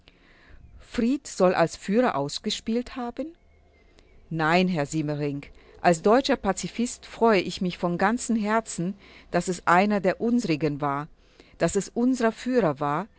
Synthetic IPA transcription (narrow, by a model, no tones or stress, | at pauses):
fʁ̥iːtz̥ɔlʔa̰lsfyːʁɐʔaʊsɡ̥əʃpiːlthaːbən | naɪnɦɛɐziːməʁɪŋk | ʔalsd̥ɔʏt͡ʃɐpat͡sifɪstfʁ̥ɔʏəʔɪçmɪçfɔnɡant͡sn̩ɦɛɐt͡sn̩ | d̥asɛsʔaɪnɐdeːɐʔʊnzəʁɪɡənvaːɐ | d̥asɛsʔʊnzəʁɐfyːʁɐvaːɐ